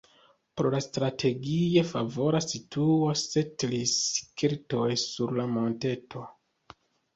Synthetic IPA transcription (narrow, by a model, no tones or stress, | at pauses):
pɾo̞lastɾatʰe̞ɡie̞favo̞ɾasitʰuose̞tliskiɾto̞jsuɾlamo̞nte̞tʰo̞